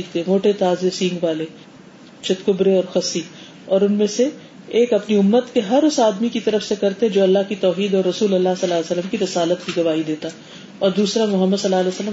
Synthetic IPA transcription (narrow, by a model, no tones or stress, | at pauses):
it̪emoːʈet̪aːzesĩːŋɡʋaːle | t͡ʃʰɐt̪kʊbɾeɔːɾxɐsi | ɔːɾʊnmẽseː | kɐpniʊmːət̪keɦɐɾʊsaːd̪mikit̪ɐɾəfsekɐɾt̪eɛ̃d͡ʒoːɐlːaɦkit̪ɔːɦiːd̪ɔːɾːɐsuːlɐlːasɐlːaːlesəlːəmkiɾɐsaːlət̪kiɡɐʋaːid̪eːt̪a | ɔːɾd̪uːsɾamʊɦəmːəd̪sɐlːaːlɛːəsəlːə